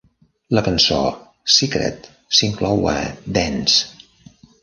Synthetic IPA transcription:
ləkənso̰ | sikɾɛ̰t̪ | siŋklɔwə̰d̪ɛns

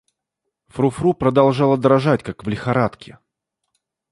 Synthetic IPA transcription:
fɾʊfɾupɾəd̪ɐlˠʐalˠəd̪ɾɐʐatʲkakvlʲɪxɐɾat̪kʲɪ

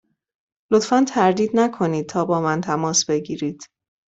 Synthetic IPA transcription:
lot̪fænt̪ʰæɾd̪iːd̪nækʰo̞niːd̪̥̚t̪ʰɒːbɒːmænt̪ʰæmɒːsb̥e̞ɟiːɾiːd̪̥

